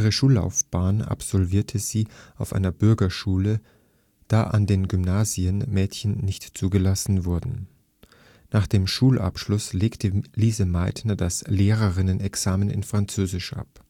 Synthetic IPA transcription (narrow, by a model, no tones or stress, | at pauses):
ʔiːʁ̞əʃuːlːa̰ʊfb̥aːna̰pz̥ɔlviːɐtʰəz̥iːaʊfʔa̰ɪnɐbʏɐɡɐʃuːlə | d̥aːʔa̰ndeːnɡʏmnaːziənmɛːtçən̩ːɪçtt͡suːɡəlasn̩vʊɐdn̩ | naːχd̥eːmʃuːlʔa̰pʃlʊsleːktʰəliːzəmaɪtnɐdasleːʁɐʁɪnənɛksaːmənɪ̰nfʁ̥ant͡søːzɪʃʔa̰p